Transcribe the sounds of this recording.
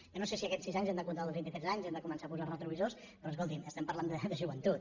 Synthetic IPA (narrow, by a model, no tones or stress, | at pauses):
jonosesiəkɛsizaɲzɛmd̪əkunt̪alˠðˠβint̪it̪ɾɛzaɲzɛmd̪əkumənsapuzarət̪ɾuβizos | pɾɔəskolˠt̪iməst̪ɛmpəɾland̪əd̪əʒuβənt̪ut̪̚